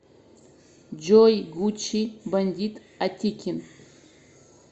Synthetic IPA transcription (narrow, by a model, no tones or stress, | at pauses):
d͡ʒojɡut͡ʃʰiband̪ʲitʼ | atʲʰikʲʰɪn